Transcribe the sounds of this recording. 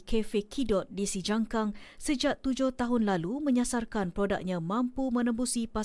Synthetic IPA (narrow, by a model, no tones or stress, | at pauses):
kʰefekʰidɔt̪̚disid͡ʒaŋkaŋsəd͡ʒaʔ̚t̪ud͡ʒʊht̪aɦʊnlalumə̃ɲasarkanpɾoda̰k̚ɲãmãmpumə̃nə̃mbusipa